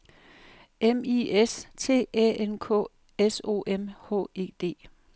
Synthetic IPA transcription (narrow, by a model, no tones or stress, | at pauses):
emiest͡sʰe̝̰ːɛ̰ːenkʰɔ̰ | eso̝̰ːʔemhɔ̰ːe̝̰ːd̥e̝̰ː